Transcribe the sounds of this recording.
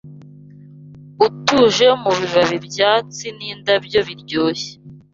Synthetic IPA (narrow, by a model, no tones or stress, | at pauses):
utuʒe̞muβiβaβibjaːt͡siniːndabɟo̞βiɾɟoːçe̥